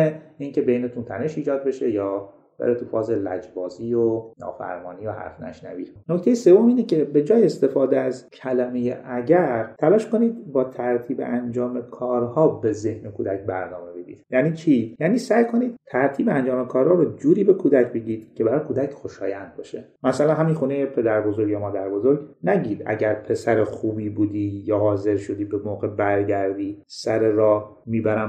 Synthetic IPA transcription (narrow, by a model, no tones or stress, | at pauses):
eiːŋcʰe̞bejnet̪ʰunt̪ʰæne̞ʃiːd͡ʒɒːd̪̚be̞ʃe̞jɒː | b̥ḛɾet̪ʰufɒːzelæ̰d͡ʒbɒːziːjonɒ̰ːfæ̰ɾmɒ̰ːniohæ̰ɾfnæ̰ʃnæ̰viːnocʰt̪e̞jese̞vːo̞miːnecʰe̞be̞d͡ʒɒːjeest̪e̞fɒːd̪eæzcʰælæmejḛʔæɟæɾt̪ʰælɒːʃko̞niːd̪bɒːt̪ʰæɾt̪ʰiːbḛʔænd͡ʒɒːmekʰɒːɾhɒːbe̞ze̞hnekʰuːd̪æcbæ̰ɾnɒːme̞bed̪ḭːd̪̥jæniːt͡ʃʰiːjæːniːsæjkʰo̞niːd̪̥t̪ʰæɾt̪ʰiːbeænd͡ʒɒːmekʰɒːɾhɒːɾɔd͡ʒuːɾiːbe̞kʰuːd̪æcʰbe̞ɟiːd̪̥cʰe̞bæɾɒːjkʰuːd̪æcxoʃɒːjænd̪̚bɒːʃemæsælænɦæminxuːnejepʰe̞d̪æɾbo̞zo̞ɾɡjɑmɒːd̪æɾbo̞zoɾɡnæɟiːd̪æ̰ɟæɾpʰe̞sæɾexuːbiːbuːd̪iːjɒːhɒːze̞ɾʃo̞d̪iːbe̞moːɣe̞bæɾɟæɾd̪iːsæɾeɾɒː | miːbæɾæm